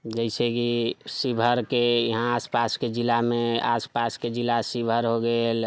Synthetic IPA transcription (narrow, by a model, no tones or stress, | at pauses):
d͡ʒəɪsekisibʱəɾkejiɦãaspasked͡ʒilameaspasked͡ʒilasibʱəɾɦoɡel